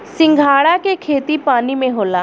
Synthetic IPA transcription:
sɪ̃ŋɡʱaːɽakekʰeːt̪ipaːnimẽɦoːlaː

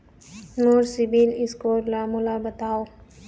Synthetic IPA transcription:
noːɾsɪbiːlɪskoːɾlaːmʊlaːbət̪aːoː

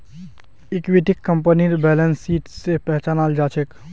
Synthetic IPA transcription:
ɪkʋiʈɪkːəmpəniɾbɛːlənsːiːʈsepɛɦt͡ʃaːnaːld͡ʒaːt͡ʃʰek

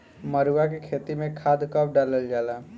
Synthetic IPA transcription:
məɾuwak̬ekʰeːt̪imẽkʰaːd̪kəp̚ʰɖaːləld͡ʒaːlaː

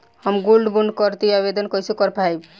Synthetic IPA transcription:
həmɡolɖbuɳɖkəɾt̪iabed̪ənkəjsukəɾpʰajb

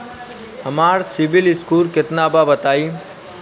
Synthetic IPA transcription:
ɐmaːɾsɪʋɪlɪskuːlkɪt̪naːbabət̪aːiː

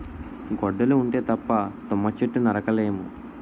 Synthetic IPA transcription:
ɡɔɖːɐluːɳʈe̞ːt̪ɐpːɐt̪ɔmːɐt͡ʃeʈːunɐɾɐkɐlejmu

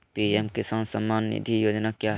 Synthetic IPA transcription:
piɛmkesə̃ŋsəmːaːnːḭd̪ʱijoːd͡ʒnakjaɦ

